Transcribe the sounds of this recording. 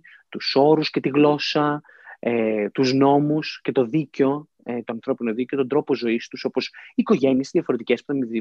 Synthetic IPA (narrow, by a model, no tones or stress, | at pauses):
t̪uso̞ɾusce̞t̪iɣlo̞sɐ | et̪uzno̞musce̞t̪o̞ðiceo̞ | et̪o̞ɐnθɾo̞pinoðice̞ot̪o̞nd̪ɾo̞po̞zo̞ist̪uso̞po̞siko̞ʝe̞niesizðʝɐfo̞ɾe̞t̪ice̞spu̥θɐmiði